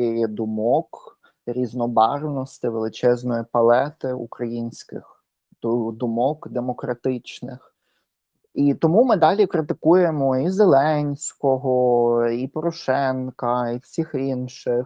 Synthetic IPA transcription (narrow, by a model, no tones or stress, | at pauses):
ɛjɛd̪ʊmɔk | ɾʲiznɔbɑrwnɔst̪ɪʋelˠɪt͡ʃɛznɔjipɐlˠɛt̪ɪṵkɾɐjinʲsʲkɪ̰x | t̪ʊd̪ʊmɔkd̪emɔkɾɐt̪ɪt͡ʃnɪ̰x | it̪ɔmumɪd̪ɑlʲikɾɪt̪ɪkujemɔizelˠɛnʲsʲkɔɦɔipɔɾɔʃɛnkɐiwsʲixinʃɪx